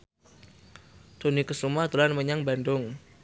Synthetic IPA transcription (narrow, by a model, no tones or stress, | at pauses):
d̪̥onikəsumat̪ulanməɲaŋbandʊŋ